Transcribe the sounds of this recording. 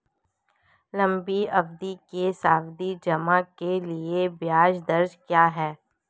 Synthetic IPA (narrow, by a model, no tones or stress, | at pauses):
lɐ̃mbiɐbd̪ikesaːwd̪id͡ʒɐmakeliebjaːd͡ʒd̪ɐɾd͡ʒkjaːɦɛː